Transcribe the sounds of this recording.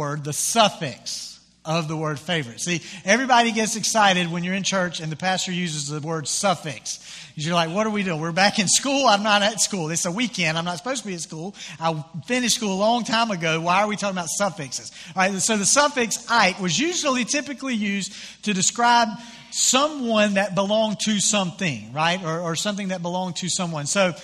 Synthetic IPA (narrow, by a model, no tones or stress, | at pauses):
ɜ˞d̪̚ðɨsʌfɪ̰ks | ʌvðəwɜ˞d̥feɪvə˞ɨtsiɛvɹibɑɾiɡɛtsɨksaɪɾɨd̚wə̃njə˞ɨ̃nt͡ʃʰɜ˞t͡ʃɨ̃nðɨpʰæstə˞jʉzɨzðɨwɜ˞d̥sʌfɪkskɨzjə˞laɪk̚wʌɾə˞widɨwɪɹbækɨ̃nskulˠãɪ̃mnəɾɨtskulˠðɪtsəwikɛ̃ndãɪ̃mnətsə̥poʊztʰəbiɨtskulˠaɪfɪ̃ñɨʃtskulˠəlɔ̃ŋtʰãɪ̃mɨɡoʊwaɪə˞witʰɔkɪ̃ŋəbaʊtsʌfɪksɨz̥ɹaɪt̚soʊðɨsʌfɪksaɪʔ̚wʌzjʉʒl̩ˠitʰɪpɨklijʉz | tʰɨdɨskɹaɪb̚ | sʌ̃mwʌ̃nðɨt̚b̥əlɔ̃ŋtʰɨsʌ̃mθɪ̰̃ŋɹaɪɾə˞ːsʌ̃mθɪ̃ŋðɨt̚b̥əlɔ̃ŋtʰɨsʌ̃mwʌ̃nsoʊ